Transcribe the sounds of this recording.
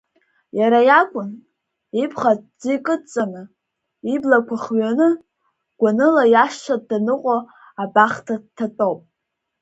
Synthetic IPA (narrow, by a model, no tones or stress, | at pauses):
jaɾajakʷʼʊn | ipʰχatd͡zikʼɨt͡sʼanɨ | iblakʷʰaχɥanɨ | ɡ̥ʷanɨlajaʃʃadanɨqʷʼo | abaχtʰad̚tʰːatʼowpʼ